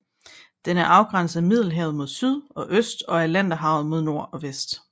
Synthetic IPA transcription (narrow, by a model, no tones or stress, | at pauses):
d̥enæɐʔɑ̈ʊɡ̥ʁɑn̰səð̩ˠmið̞̰ˠl̩ˠɦɛ̰ʊð̞̩ˠmo̝ðˠsyð̰ˠɒ̽ʔøsd̥ɒ̽ælæn̰d̥ɐɦɑ̈ʊð̞̩ˠmo̝ð̞ˠno̝ɐ̰ɒ̽ʋesd̥